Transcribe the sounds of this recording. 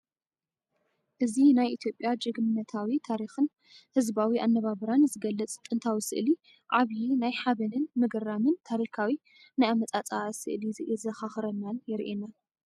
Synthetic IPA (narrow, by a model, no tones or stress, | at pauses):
ʔɨzinajʔit̪ʰjo̞pʼjad͡ʒɨɡmɨnːɐt̪ʰawit̪ʰaɾixɨn | hɨzbawiʔanːɐβaβɨɾanzɨɡɐlːɐt͡sʼt̪ʼɨnt̪ʰawisɨ̰ʔli | ʕaβjinajħaβɐnɨnmɨɡɨrːamɨnt̪ʰaɾikʰawi | najamɐt͡sʼat͡sʼasɨ̰ʔlizɨʔzɐxaxɨɾɐnːanjɪɾʔena